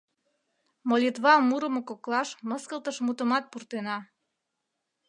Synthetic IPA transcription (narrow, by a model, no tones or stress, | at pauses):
molʲit̪βɑmuɾə̆mokoklɑʃməskəlt̪əʃmut̪əmɑt̪̚purt̪enɑ